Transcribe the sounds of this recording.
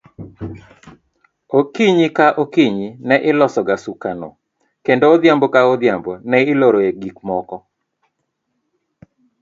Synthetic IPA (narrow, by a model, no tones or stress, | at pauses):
okiɲikaʔokiɲinɛʔɪlɔsɔɡasukano̰ | kendoːd̪jambokaod̪jambonɛɪloɾoeɡikmɔkɔ